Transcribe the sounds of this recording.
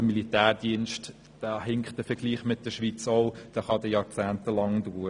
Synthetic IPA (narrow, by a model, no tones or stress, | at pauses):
əmilitæːrd̥iənʃt | d̥æːɦɪŋkt̚d̥əfəɾɡ̥liːχmɪt̚d̥əʃʋit͡soʊd̥æːχɑdəjɑːɾt͡sæːntəlɑŋduːɾ